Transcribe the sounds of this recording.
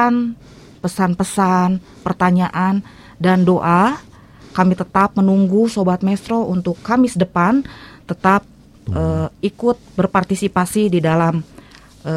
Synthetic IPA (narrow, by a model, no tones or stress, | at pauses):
an | pəsanpəsan | pərt̪aɲaʔan | dandoʔa | kamit̪ət̪ap̚mənuŋɡusobat̪̚mɛst̪ɾoʔunt̪ʊkːamɪsdəpant̪ət̪ap̚ | əikʊt̪̚bərpart̪isipasididalam | ə